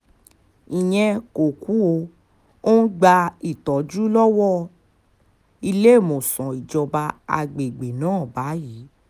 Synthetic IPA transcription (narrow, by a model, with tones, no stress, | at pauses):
ĩ˨j̃ɛ̃˧ko˨ku˦o˧ | o˦n̩˦ɡ͡ba˧i˨tɔ˨˦d͡ʒu˦lɔ˦wɔ˦˨ | i˧le˦˨mo˨sɔ̃˨i˨d͡ʒɔ˧ba˧a̰˧ɡ͡be˨ɡ͡be˨nãː˨˦˨ba˨˦ji˨˦